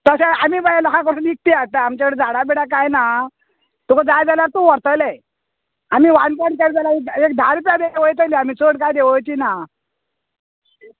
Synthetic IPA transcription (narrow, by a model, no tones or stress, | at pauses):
t̪əsaamiːbəjlɔkãkəɽuːnik̚t̪iat̪aamt͡ɕakəɽed͡zaɽabiɽakajna | t̪ukəd͡zajd͡zaljaɾt̪uʋəɾt̪əle | amiːʋaɳkaɳkaɽd͡zalaekek̚d̪ʱaɾpjad̪eeʋəjt̪əliamiːt͡soɽkajd̪eʋəjt͡ɕiːna